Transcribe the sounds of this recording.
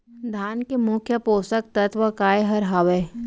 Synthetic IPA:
d̪ʱaːnkemʊkʰjəpoːsək̚t̪ɐt̪ʋəkaːjeɦɐɾɦaʋeː

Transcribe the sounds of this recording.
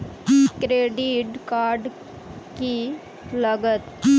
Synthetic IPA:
kɾeːɖiʈkaːɾɖ | ki | lɐɡət̪

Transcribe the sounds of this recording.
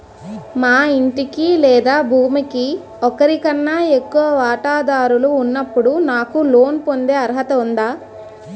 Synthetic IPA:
maːiɳʈikilɛːd̪aːbʱuːmiki | ɔkɐɾikɐnːaːe̞kːuʋɐʋaːʈaːd̪aːɾuluːnːɐpːuɽunaːkulo̞ːnpo̞nd̪e̞ːɐɾɐɦɐt̪ɐund̪aː

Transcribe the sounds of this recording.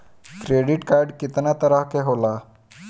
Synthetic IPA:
kɾeɖiʈkaɾɖkit̪nat̪əɾəɦkeɦola

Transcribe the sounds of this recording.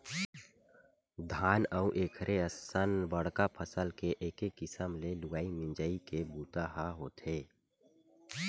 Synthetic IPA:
d̪ʱaːnəũʔeːkʰɾeəsənbəɽ̤kapʰəsəlkeʔeːkekːɪsəmlelʊɡaːimɪ̃nd͡ʒaːikebuːt̪aɦaɦoːt̪eː

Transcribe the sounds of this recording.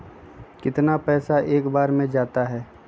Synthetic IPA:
kɪt̪napɛːsaʔeːkbaːɾmẽd͡ʒaːt̪aɦɛː

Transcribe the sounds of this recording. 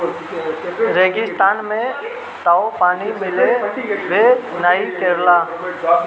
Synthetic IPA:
ɾeːɡɪst̪aːnmẽ | t̪aːopaːnimɪleʋenaːikeɾlaː

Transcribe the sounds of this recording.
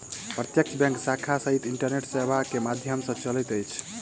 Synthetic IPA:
pɾət̪jək̚t͡ʃʰbjɛ̃ŋksakʰasəɦit̪iɳʈəɾneʈsebʱakemad̪ʱjəmsʌ̃t͡ʃəlɛt̪əjt͡ʃʰ

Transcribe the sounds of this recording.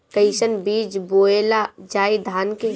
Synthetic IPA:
kəɪsənbid͡ʒboelad͡ʒaːid̪ʱaːnke

